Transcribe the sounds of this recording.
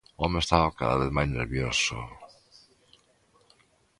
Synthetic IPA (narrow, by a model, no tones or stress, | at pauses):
omeest̪aβaka̰ða̰βeθmajznḛɾβjoso̰